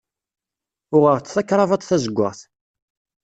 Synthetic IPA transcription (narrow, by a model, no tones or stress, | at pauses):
ʊʁəʁt͡sːθækːɾˤɑvɑt̪ˤθæzəɡʷːə̰ʁθ